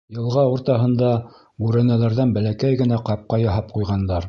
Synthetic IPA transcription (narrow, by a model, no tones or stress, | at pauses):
jɤ̆lˠʁɑuɾt̪ɑɦɤ̆nd̪ɑ | ɡʉɾænælæɾðænbælækæjɡɘ̆næqɑp̚qɑjɑɦɑp̚qujʁɑnd̪ɑɾ